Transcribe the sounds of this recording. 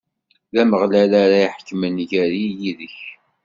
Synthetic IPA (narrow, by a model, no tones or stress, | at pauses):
ðæməʁlælaɾaiħə̥kːmənʝæɾijiðəç